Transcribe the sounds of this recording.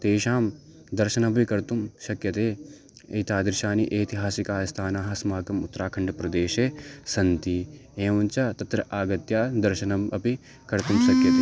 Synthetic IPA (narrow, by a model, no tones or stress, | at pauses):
t̪eːʃaːm | d̪ɐɾʃɐnɐbʱikɐɾt̪umʃɐkjɐt̪eː | ḛt̪aːd̪ɐɾʃaːniʔeːt̪iɦaːsikaːjɐst̪ʰaːnaːɦɐsmaːkɐmut̪ːɾaːkʰɐɳɖɐpɾɐd̪eːʃeːsɐnt̪ieːʋɐnt͡ʃɐt̪ɐt̪ɾɐʔaːɡɐt̪jaːd̪ɐɾʃɐnɐmɐpi | kɐɾt̪umʃɐkjɐt̪eː